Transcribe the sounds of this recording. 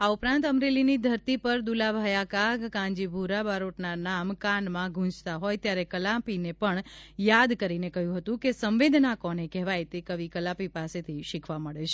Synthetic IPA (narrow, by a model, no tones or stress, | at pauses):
aupɾãnt̪əmɾelinid̪ʱəɾt̪ipəɾd̪ulabʱajakaɡkãɲd͡ʒibʱuɾabaɾoʈnanamkanmãɡʱũd͡ʒt̪aɦojt̪jaɾekəlapinepəɳjad̪kəɾinekəɦjũɦət̪ũkesəmʋed̪ʱnakɔnekɛɦʋajt̪ekəʋikəlapipaset̪ʰiʃɪkʰʋaməɭet͡ʃʰe